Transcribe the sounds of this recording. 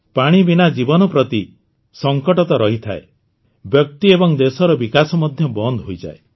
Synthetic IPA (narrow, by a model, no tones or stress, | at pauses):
paɽ̃ibinad͡ʒibɔnɔpɾɔt̪i | sɔŋkɔʈɔt̪ɔɾɔɦit̪ʰa̰e | bjɔk̚t̪iebɔŋd̪esɔɾɔbikasɔmɔd̪ʱjɔbɔnd̪ʱɦojd͡ʒa̰e